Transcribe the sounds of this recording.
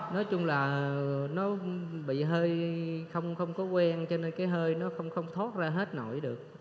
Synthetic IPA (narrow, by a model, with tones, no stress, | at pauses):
nɔ˨˦jt͡ɕʊ˧ŋ͡mlaː˨˩nɔ˨˦ɓḭ˧˨ɦəː˧jxə˧wŋ͡mxə˧wŋ͡mkɔ˨˦kwɛ˧ŋt͡ɕɔ˧ne˧nkaː˨˦jɦəː˧jnɔ˨˦xə˧wŋ͡mxə˧wŋ͡mt̪ʰo˦˥t̚zaː˧ɦe˦˥t̚no̰˧˩˦jɗɨ˨˩ək̚